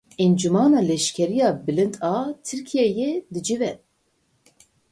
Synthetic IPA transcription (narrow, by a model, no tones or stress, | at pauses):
ɛnd͡ʒumɑːnɑːlɛʃkʲʰɛɾijɑːbɨlɨnt̪ɑːt̪ʰɨɾkʰijɛjed̪ɨd͡ʒivɛ